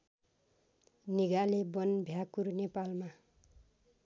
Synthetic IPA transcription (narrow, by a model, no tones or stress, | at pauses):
niɡalebʌnbʱjakurnepalma